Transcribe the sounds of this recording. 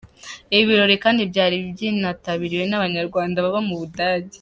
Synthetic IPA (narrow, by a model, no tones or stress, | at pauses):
iβiɾo̞ɾekaːndibɟaːɾibjinataβiɾiwe̞naβaɲaɾɡwaːndaβaβamuβudaːɟi̥